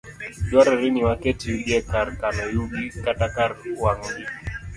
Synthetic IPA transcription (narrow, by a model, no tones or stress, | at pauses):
d͡ʒwaɾɾiniwakɛtiuɡɛkaɾkanɔjubikatakaɾuwaŋɡi